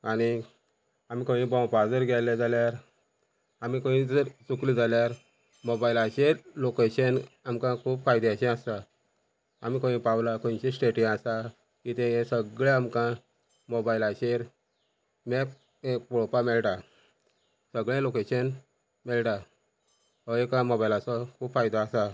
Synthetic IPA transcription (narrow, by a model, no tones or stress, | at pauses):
añi | amiːkõĩbɔ̃wpad͡zəɾɡʱɛlɛd͡zaljaɾ | amikõĩd͡zəɾt͡suklid͡zaljaɾ | mobailaɕelokeɕənamkãkʰuːb̚kajd̪jaɕɛ̃ast̪a | a̰mikõĩpawlakõñt͡ɕẽsʈeʈĩast̪a | kit̪ɛ̃jẽsəɡɭãamkã | mobailaɕeɾ | mɛk̚ | epɔɭpamɛlʈa | səɡɭãlokeɕən | mɛlʈa | ɔekãmobailasɔkʰuːbfajd̪aːsa